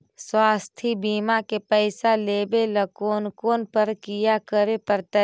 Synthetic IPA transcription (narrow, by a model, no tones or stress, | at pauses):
swaːst̪ʰibiːmakepɛɪsaleːbeləkoːnkoːnpəɾkijakəɾepəɾt̪ə